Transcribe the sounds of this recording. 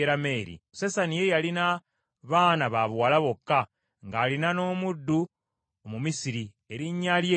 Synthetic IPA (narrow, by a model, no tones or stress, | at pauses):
eɾame̞ɾḭsesanijejalina | βaːnaβaβwaːlaβo̞kːa | ŋɡaːlinano̞ːmudːu | omumisiɾi | e̞ɾiɲːalje